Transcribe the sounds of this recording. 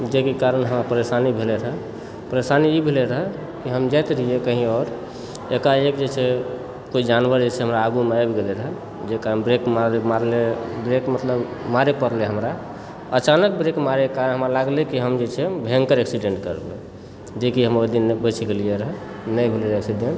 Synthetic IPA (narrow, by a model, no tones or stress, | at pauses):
d͡ʒekekaɾənɦəmɾapəɾesanibʱeleɾəɦɛ | pəɾesaniibʱeleɾəɦɛ | kiɦəmd͡ʒat̪ɾəɦijekəɦĩɔːɾ | ekaekd͡ʒet͡ʃʰɛ | koid͡ʒanbəɾd͡ʒet͡ʃʰɛɦəmɾaːɡumeabɡeleɾəɦɛ | d͡ʒekaɾənbɾekmaɾemaɾlebɾekmət̪ləbmaɾepəɾleɦəmɾa | ət͡ʃanək̚bɾekmaɾekaɾənɦəmɾalaɡlekiɦəmd͡ʒet͡ʃʰɛbʱẽŋkəɾeksiɖeɳʈkəɾbe | d͡ʒekiɦəmod̪inebət͡ʃʰiɡelijeɾəɦɛ | nəjbʱeleeksiɖeɳʈ